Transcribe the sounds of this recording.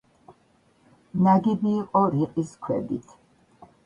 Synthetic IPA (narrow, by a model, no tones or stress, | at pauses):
naɡibiːqʼɔɾiqʼiskʰwɛdit̪ʰ